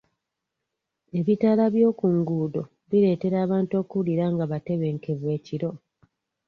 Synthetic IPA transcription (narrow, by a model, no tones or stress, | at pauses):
e̞βitalaβjo̞ːkuŋɡuːdo̞ | βiɾe̞ːte̞ɾaːβaːnto̞ːkuliɾaŋɡaβate̞βe̞ːŋke̞vwe̞ːciɾo̞